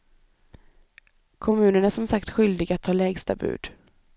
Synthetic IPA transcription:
kʰɔmʉ̟ːnəɳæʂɔmsakt̪ɧʏld̪ɪɡat̪ʰːɑːlɛːɡst̪a̰bʉ̰ːd̪̥

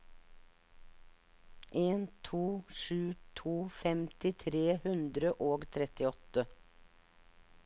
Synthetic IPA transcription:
ʔeːnt̪ʰuːʃʉːt̪ʰuːfɛmt̪ɪt̪ʰɾeːhʉnd̪ɾəʔoːɡt̪ʰɾɛt̪ɪɔt̪ə

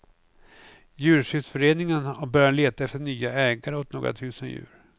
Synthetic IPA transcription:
jʉ̟ːɾʂʏt̪fœɾeːnɪŋənɔbœɾjaleːt̪aɛft̪əɳyːaɛːɡaɾəɔt̪̚no̰ːɡɾa̰t̪ʰʉ̟ːsənjʉ̟̰ːɾ

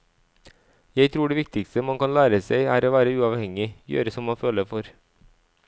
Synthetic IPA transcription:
jæɪt̪ʰɾuːɖeːʋɪkt̪ɪkst̪əmɑŋkɑnlæːɾəseɪæːɾoːʋæːɾəʉːɑːʋhɛŋɪjø̰ːɾəsɔmːɑnføːləfɔɾ

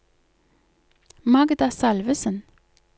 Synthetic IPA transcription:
mɑɡd̪asɑlʋəsən

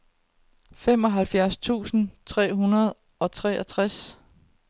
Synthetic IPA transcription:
femɒ̽ɦælfjæɐst͡sʰṵːsn̩t͡sʰʁɛ̰ːɦunɐð̞̩ˠ | ɒ̽t͡sʰʁɛːʔæt͡sʰʁas

